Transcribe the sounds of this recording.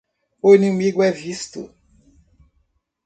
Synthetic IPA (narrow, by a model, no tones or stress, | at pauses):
ʊenĩmiɡʊɛvist̪ʊ̰